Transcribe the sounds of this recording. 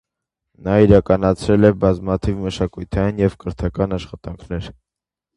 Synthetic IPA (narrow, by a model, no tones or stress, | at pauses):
nɑiɾɑkɑnɑt͡sʰɾɛlɛbɑzmɑt̪ʰivməʃɑkujt̪ʰɑjinjɛvkəɾt̪ʰɑkɑnɑʃχɑt̪ɑŋkʰnɛɾ